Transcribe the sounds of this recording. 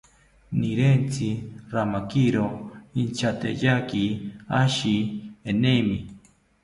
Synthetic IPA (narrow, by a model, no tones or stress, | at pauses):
niɾent͡siɾamakiɾoint͡ʃʰat̪ḛjakiaʃienemi